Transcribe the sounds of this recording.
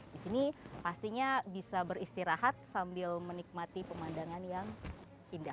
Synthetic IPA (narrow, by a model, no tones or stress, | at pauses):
disinipast̪iɲabisabəɾist̪iɾaɦat̪̚sambɪlmənik̚mat̪ipəmandaŋanjaŋ | indah